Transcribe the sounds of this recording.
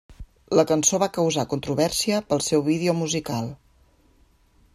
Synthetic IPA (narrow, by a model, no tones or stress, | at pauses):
ləkənsoβakəwzakunt̪ɾuβɛrsiəpəlˠsɛwβið̞eomuzikalˠ